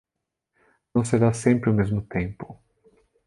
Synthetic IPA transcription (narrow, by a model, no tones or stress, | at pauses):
nɐ̃w̃seɾasẽmpɾɪʊmezmʊt̪ẽmpʊ̥